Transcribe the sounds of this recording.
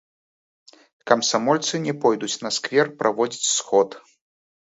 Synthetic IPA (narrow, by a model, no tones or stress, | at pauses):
kɐmsamɔlʲt̪sɨnʲɛpɔjd̪ut͡sʲnɐskvʲɛrpɾʔavɔd͡zʲit͡sʲsxɔt̪